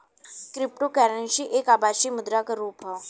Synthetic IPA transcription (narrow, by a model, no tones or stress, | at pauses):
kɾɪp̚ʈokɛːɾənʃiʔeːkaːbaːʃimʊd̪ɾakaɾuːpɦa